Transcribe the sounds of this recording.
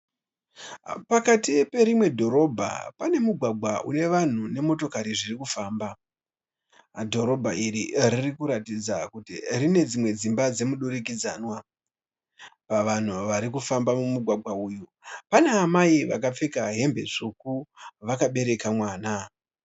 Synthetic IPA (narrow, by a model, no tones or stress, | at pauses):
pakatipe̞ɾimwe̞dʱo̞ɾo̞bʱa̰pane̞muɡʱwaɡʱwaʔṵne̞ʋan̤une̞mo̞to̞kaɾiʐirikufaːmba | dʱo̞ɾo̞bʱaʔiɾiririkuɾatid͡zakutirine̞d͡zimwe̞d͡zimbad͡ze̞muɗuɾik̬id͡zaːnwa | paʋan̤uʋaɾikufambamumuɡʱwaɡʱwauːjupane̞amaiʋakap͡fekaɦe̞mbe̞ʂukuʋakaɓe̞ɾe̞kamwaːna